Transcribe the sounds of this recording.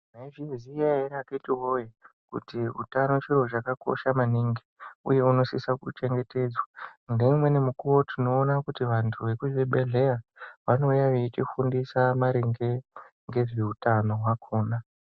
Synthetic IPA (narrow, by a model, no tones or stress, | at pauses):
mevizijaeɾaketiɦojekṵtiṵtano̞t͡ʃiro̞t͡ʃakako̞̰ʃamaniŋɡi̥ṵje̞uno̞sisakut͡ʃe̞ŋɡe̞te̞ːd͡zwandemwe̞ne̞mukuwo̞tʰino̞ːnakutiʋantʰuʋe̞kuʋeɓe̞ɮe̞aʋano̞jaʋet͡ʃifundisamaɾeŋɡe | ŋɡe̞ʐeutano̞ɦwakʰoːna